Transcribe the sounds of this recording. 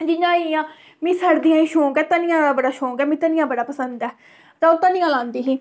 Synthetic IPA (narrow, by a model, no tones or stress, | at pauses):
d͡ʒɪɲãːiãː | mĩːsəɾd̪ijãːĩːʃõːkɛːt̪ənɪjãːd̪aːbəɽaːʃõːkɛːmĩːt̪ənɪjãːbəɽaːpəsənd̪ɛː | t̪ãːʊt̪ːãːnĩːãːlãːnd̪iːɦiː